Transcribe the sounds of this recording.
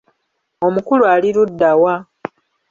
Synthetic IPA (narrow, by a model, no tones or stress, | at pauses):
o̞mukuluaːliɾudːawa